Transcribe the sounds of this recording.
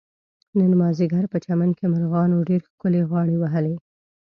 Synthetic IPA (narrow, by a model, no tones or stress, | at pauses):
nənmɑzɪɡaɾpət͡ʃamankemaɾɣɑnoɖeɾxkʊleɣwɑɽewaɦəle